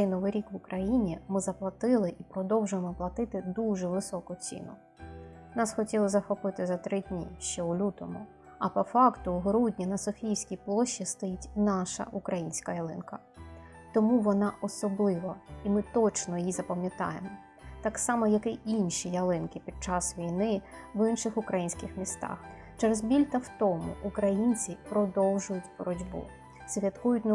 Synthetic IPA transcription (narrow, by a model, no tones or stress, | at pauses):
ɛjnɔʋɪjɾʲikʋʊkɾɐjinʲimɪzɐplˠɐt̪ɪlˠɪʔipɾɔd̪ɔwʒʊjemɔplˠɐt̪ɪt̪ɪd̪uʒɛʋɪsɔkʊt͡sʲḭnʊ | nɑsxɔtʲilˠɔzɐxɔpɪt̪ɪzɐt̪ɾɪd̪ʲnʲḭʃt͡ʃɛulʲut̪ɔmʊ | ɐpɔfɑkt̪ʊɦɾudʲnʲinɐsɔfʲijʲsʲkʲijplˠɔʃːist̪ɔjitʲnɑʃɐ̰ʔukɾʔɐjinʲsʲkɐjɐlˠɪnkɐ | t̪ɔmuʋɔnɑʔɔsɔblˠɪʋɐimɪt̪ɔt͡ʃnɔjizɐpɐmʲjɐt̪ɑ̰jḛmɔ | t̪ɑksɑmɔjɐkɪinʃijɐlˠɪnkɪpʲid̪̥̚t͡ʃɑsʋʲijnɪ | ʋɪnʃɪxʊkɾɐjinʲsʲkɪxmʲist̪ɑ̰x | t͡ʃɛɾezbʲilʲt̪ɐwt̪ɔmʊ̰ʔːkɾɐjinʲt͡sʲipɾɔd̪ɔwʒʊjʊtʲbɔɾɔdʲbṵ | sʲʋʲjɐt̪kujʊtʲnɐ